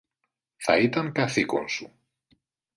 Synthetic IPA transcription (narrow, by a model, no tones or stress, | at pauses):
θa̰it̪aŋkaθiko̰nsu